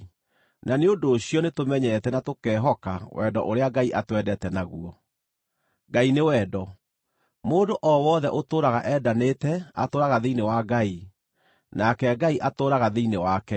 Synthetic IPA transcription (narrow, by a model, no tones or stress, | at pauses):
naneondoːɕijɔnetomɛɲɛɛtɛnatokɛːɦɔkawɛ̰dɔ̰ʔoɾeaɡaiʔatwɛdɛtɛnaɣuɔ | ɡainewɛːdɔ | moːndoʔɔwɔðɛʔotoːɾaɣaʔɛdaneːtɛa̰toːɾaɣaðeinewaɡai | nakɛɡaiʔatoːɾaɣaðeinewakɛ